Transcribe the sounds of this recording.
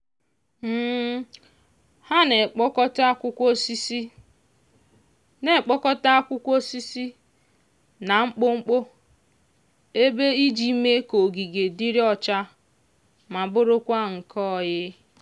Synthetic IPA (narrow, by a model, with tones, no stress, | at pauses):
m̩ː˦ | ha˦ne˨k͡pɔ˦kɔ˦ta˦kʷʊ˦kʷo˦si˦si˦ | ne˨k͡pɔ˦kɔ˦ta˦a˦kʷʊ˦kʷo˦si˦si˦ | na˨ŋ͡m̩˦k͡pʊ˦ŋ͡m̩˦k͡po˦ | e˦be˦i˦d͡ʒi˦me˦ko˨ɡi˨ɡe˨di˦ɾi˦ɔ˦t͡ʃa˦ | ma˨bʊ˦ɾʊ˦kʷa˦ŋ̩˨kʰɔ˦˨jɪ˦